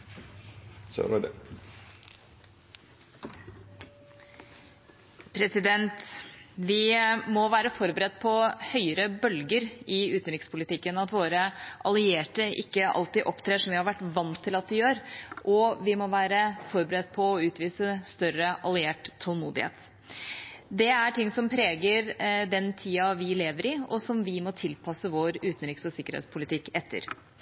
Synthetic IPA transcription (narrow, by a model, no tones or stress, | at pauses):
pʰɾɛsɪd̪ɛnt̪ʋɪmɔʋæːɾəfɔɾbəɾɛd̪pʰɔhœʏəɾəbœlɡəɾɪʉːt̪n̩ɾɪkspʰʊlɪt̪ʰɪkːənɑt̪ʋoːɾəʔɑlɪeːʈəʔɪ̰kːəʔɑ̰lt̪iːʔɔpːt̪ʰɾeːʂɔmʋɪhɑɾʋæʈːʋɑnt̪ʰːɪlɑt̪̚d̪ɛjøːɾʔɔʋɪmɔʋæːɾəfɔɾbəɾɛt̪ːpʰɔːʉːt̪ʋiːsəst̪œɾəʔɑlɪeːʈt̪ʰːɔlmuːd̪ɪhḛːt̪ | d̪ɛæʈɪŋːsɔmpʰɾeːɡəɾd̪ɛnt̪ʰiːɑʋɪleːʋəɾɪɔsɔmʋɪmɔt̪ʰɪlpʰɑsəʋoɾʉːt̪n̩ɾɪksɔsɪkːəɾhḛt̪spʰʊlɪt̪ʰɪkːɛt̪ʰːə̰ɾ